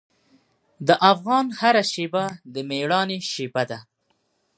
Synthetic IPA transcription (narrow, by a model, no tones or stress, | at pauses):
d̪əʔafɣɑnhaɾaʃebad̪əmeɽɑneʃebad̪a